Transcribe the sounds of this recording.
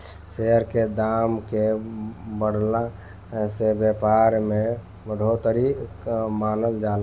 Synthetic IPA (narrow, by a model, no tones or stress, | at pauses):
seəɾked̪amke | bəɽla | sebjəpaɾme | bəɽʱot̪əɾikmanəld͡ʒal